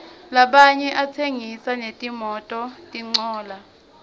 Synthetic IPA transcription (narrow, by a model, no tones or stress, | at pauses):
laɓaɲɛʔatʰeŋisanetʼimɔtʼɔtʼiŋ͡ǀɔːla